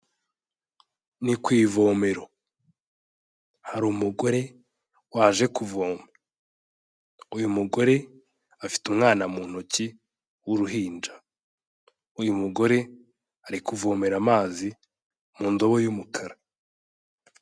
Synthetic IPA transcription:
nikwiːvoːme̞ɾo | haɾumuɡo̞ɾe̞ | waːʒe̞kuvo̞ːma | ujumuɡo̞ɾe̞ | afi̥tumŋaːnamuːn̥oci | wuɾuɦiːnd͡ʒa | ujumuɡo̞ɾe̞ | aɾikuvo̞me̞ɾamaːzi | muːndo̞βojumukʰaɾa

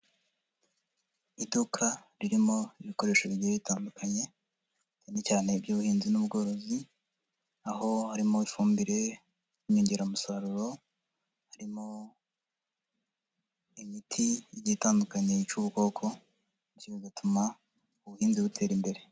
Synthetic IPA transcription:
idukʰaɾiɾimo̞iβiko̞ɾe̞ːʃaβiioβitaːndukʰaɲe̞ | t͡ʃane̞caːne̞bɟuːβuhiːnzinubɡo̞ːɾo̞zi | aho̞haɾimo̞ifuːmbiɾe̞ | jimiːɲɟiɾamusaɾuɾo̞ | haɾimo̞ | imitʰiɟitaːndukaɲe̞it͡ʃuβuko̞ːkʰo̞ | icuβezatʰuma | uβuhiːnziβutʰe̞ːɾimbe̞ɾe̞

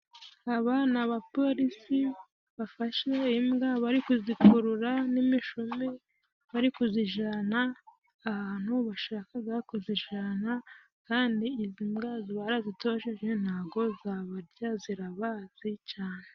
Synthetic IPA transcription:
aβanaβapo̞ɾisi | βafaʃeimɡaβaɾikuzikuɾuɾanimiʃome | βaɾikuziʒanaː | haːn̥huβaʃaːkaɡakuziʒana | kaːndiːzimɡaziβaɾazitoʃeʒen̥haːɡo̞zaβaɾɟaziɾaβaz̥it͡ʃaːne

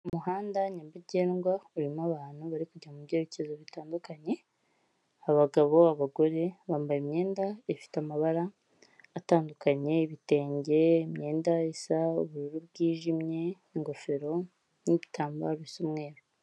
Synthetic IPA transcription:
umuhaːndaɲabiɟeːnɡwauɾimaβaːn̥huβaɾikuɟamubɟeːɾicezoβitaːndukaɲe̞ | aβaɡaβo̞aβaɡo̞ɾe̞βaːmbajimɲe̞ːndaefi̥tamaβaɾaː | taːndukaɲe̞iβite̞ːɲɟe̞imɲe̞ːndaisauβuɾuɾuβɡiːʒimɲe̞ | iŋɡo̞fe̞ɾo̞ | niβitʰaːmba̰ɾisumŋeːɾo

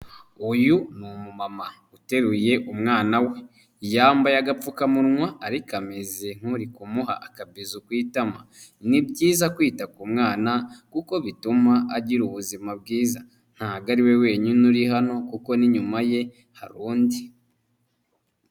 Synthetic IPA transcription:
ujunumumama | ute̞ɾuje̞ʔumŋaːnawe̞ | jaːmbajaɡap͡fukamuɾŋwaːɾikamezen̥huɾikumuɦa̰ʔakabizukwiːtamanibɟiːzakwiːtakumŋaːnakuko̞βitumaʔaɟiɾuβuzimab̚ɡiːza | n̥haɡaɾiwe̞we̞ːɲunuɾihano̞kuko̞niɲumaje̞ | ha̰ɾuːndi

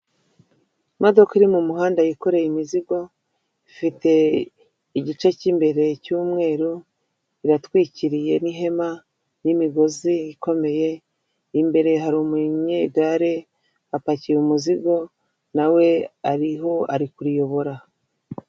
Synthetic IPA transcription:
modo̞kaiɾimumuɦaːndajiko̞ɾe̞jimiziɡo̞ | ifite̞ | iɟit͡ʃeciːmbe̞ɾe̞cuːmŋe̞ːɾu | iɾatwiːciɾije̞niɦe̞ma | nimiɡo̞ziiko̞me̞je̞ | imbe̞ɾe̞ɦaɾumuɲɲeɡaɾe̞ | apacijumuziɡo̞ | nawe̞aɾiɦo̞aɾikuɾijo̞βo̞ɾa

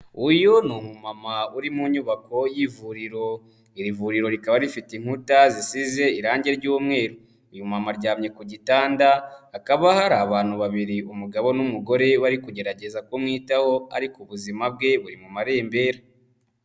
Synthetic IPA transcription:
ujonumumamauɾimuːɲuβako̞jivuɾiɾo̞ | iɾivuɾiɾo̞ɾikaβaɾifitiŋ̥hutazisize̞iɾaːɲɟe̞ɾɟuːmŋe̞ːɾo | ijumamaɾɟaːmɲe̞kuɟitaːndaːkaβahaɾaːβaːn̥huβaβiɾiumuɡaβo̞numuɡo̞ɾe̞βaɾikuɟe̞ɾaɟe̞zako̞mŋiːtaho̞a̰ɾikoβuzimab̚ɡe̞βuɾimumaɾe̞ːmbe̞ːɾa

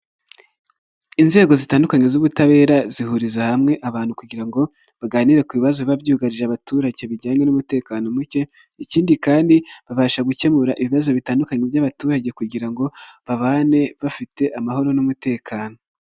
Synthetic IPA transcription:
inze̞ːɡo̞zitaːndukaɲe̞zuβutaβe̞ːɾazihuɾizahamŋe̞ʔaβaːnhukuɟiɾaŋɡo̞ | βaɡaːniɾe̞kuβiβazoβabɟuːɡaɾiʒeaβatuːɾaɟe̞βiɟaːɲe̞numute̞ːkaːno̞muce̞ | iciːndikaːndiβaβaːʃaɡuce̞muɾaʔiβiβazo̞βitaːndukaɲevjaβatuːɾaɟe̞kuɟiɾaŋɡo̞βaβaːne̞βafite̞ʔamaho̞ɾo̞numute̞ːkʰaːno

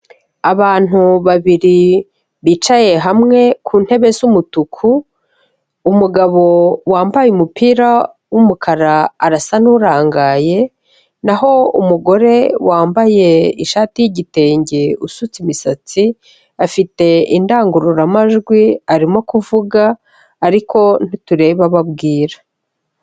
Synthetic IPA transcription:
aβaːn̥uβaβiɾi | βiːt͡ʃaje̞ɦamŋe̞kʰuːn̥he̞βe̞zumutukʰu | muɡaβo̞waːmbajumupiːɾa | wumukʰaɾaːɾasan̥uɾaːŋɡaːje̞ | naɦo̞umuɡo̞ɾe̞waːmbaje̞iʃaːtijiɟite̞ːɲɟeusut͡simisat͡si | afite̞indaːŋɡuɾuɾamaʒɡwiaɾimo̞kuvuɡaː | ɾikʰo̞n̥ituɾe̞βaβabɡiːɾḁ

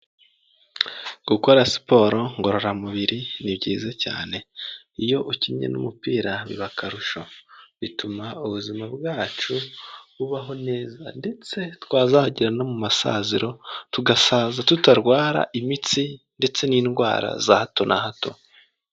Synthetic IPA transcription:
ɡ̥uko̞ɾasi̥po̞ɾo̞ŋɡo̞ɾo̞ɾamuβiɾiniβɟiːzeca̰ːne̞ | ijo̞ʔucimɲḛnṵmupiːɾaβḭβakʰaɾuʃoβitumauβuzimabɡaːt͡ʃuβuβaɦo̞ne̞ːza̰nde̞t͡se̞twaːzahaɟiɾanomumasa̰ziɾo̞tuɡasaːzatutaɾɡwaːɾa̰ʔimit͡si | nde̞t͡se̞niːnɡwa̰ːɾa̰zahato̞nʔahato̞̰

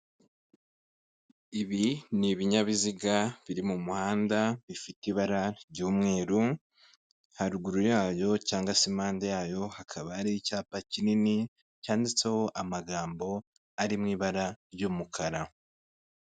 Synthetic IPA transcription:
iβiniβiɲaβiziɡaβiɾimumuhaːndaβifitiβaɾaɾɟuːmŋe̞ːɾu | haɾuɡuɾujaːjo̞caːŋɡasemaːndajaːjo̞hakʰaβaːɾicaːpacinini | caːndit͡seho̞ʔamaɡaːmbo̞ | aɾimŋiːβaɾaɾjumukʰaɾa

